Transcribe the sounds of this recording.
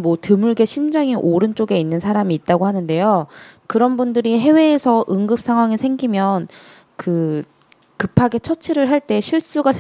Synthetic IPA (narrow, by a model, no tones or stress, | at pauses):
mwʌtɯmuɭɡe̞ɕʰimd͡ʑaŋiʔoɾɯnt͡ɕ͈oɡe̞inːɯnsʰaɾamiːt̚t͈aɡoɦanɯnde̞jokɯɾʌnbundɯɾiɦe̞we̞ːsʰʌʔɯŋɡɯp̚s͈ʰaŋɦwaŋiɭsʰe̞ŋɡimjʌn | kɯ | kɯpʰaɡe̞t͡ɕʰʌt͡ɕʰiɾɯɭɦaɭt͈e̞ɕʰiɭs͈uɡasʰ